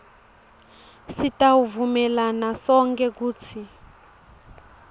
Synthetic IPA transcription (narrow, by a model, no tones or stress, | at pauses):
sitauvumɛlanasɔŋkɛkuːt͡sʰi